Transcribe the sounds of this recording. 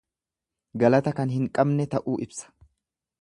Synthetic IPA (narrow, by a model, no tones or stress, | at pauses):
ɡɐlɐt̪ɐkɐnɦɪŋkʼɐbnɛt̪ɐʔuːʔɪbsɐ̥